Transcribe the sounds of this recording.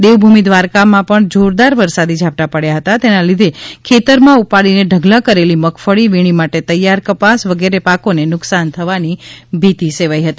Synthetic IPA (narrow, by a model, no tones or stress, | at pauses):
d̪eʋbʱumid̪ʋaɾkamãpəɳd͡ʒʱoɾd̪aɾʋəɾsad̪id͡ʒʱap̚t̪apəɽjaɦət̪at̪enalid̪ʱekʰet̪əɾmãupaɭineɖʱəɡlakəɾeliməkʰfəɭiʋiɽ̃imaʈet̪əjːaɾkəpasʋəɡeɾepakonenʊksant̪ʰəʋanibʱit̪iseʋaiɦət̪i